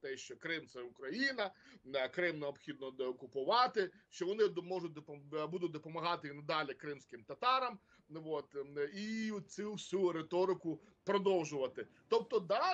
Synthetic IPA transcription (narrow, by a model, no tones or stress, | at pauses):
t̪ɛʃt͡ʃɔkɾɪmt̪sɛʊkɾɐjinɐkɾɪmneɔbpxʲid̪̚nɔd̪ɔkʊpʊʋɑt̪ɪʃt͡ʃɔʋɔnɪd̪mɔʒʊt̚ʲd̪ɔpbud̪ʊt̚ʲd̪ɔpɔmɐɦɑt̪ɪinɐd̪ɑlʲɪkɾɪmsʲkɪmt̪ɐt̪ɑɾɐm | ʋot̪it͡sʲusʲuɾet̪ɔɾɪkʊ | pɾɔd̪ɔwʒʊʋɐt̪ɪ | t̪ɔp̚t̪ɔd̪ɑ